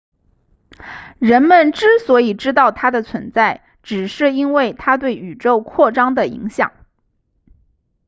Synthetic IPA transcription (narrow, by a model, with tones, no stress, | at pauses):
ɻə˧˥nmə˨nʈ͡ʂɻ̩˥swɔ˧˥i˨˩ʈ͡ʂɻ̩˥t̪̬ɑ˥˩ʊt̪ʰa˥d̪ə˨t͡sʰwə˧˥nt͡sa˥˩ɪ | ʈ͡ʂɻ̩˨˩ʂɻ̩˥˩i˥nwe˥˩ɪt̪ʰa˥t̪̬we˥˩ɪy˨˩ʈ͡ʂo˥˧ʊkʰwɔ˥˩ʈ͡ʂɑ˥ŋd̪ə˨ḭ˧˥ŋɕjɑ̰˨˩˦ŋ